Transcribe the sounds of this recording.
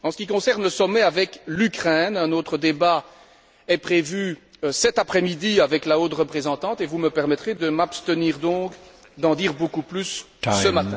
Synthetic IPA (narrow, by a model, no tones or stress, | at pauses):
ɑ̃sə̥kʲikɔ̃sɛʁnləsɔmɛavɛklykχɛnɛ̃not̪χəd̪eba | ɛpχevyøsɛt̪apχɛmid̪iavɛklaot̪ʁəpχezɑ̃t̪ɑ̃t̪evuməpɛʁmɛt̪χed̪əmapst̪əniːʁd̪ɔ̃ːk | d̪ɑ̃d̪iːʁbokuplys | səmat̪ɛ̃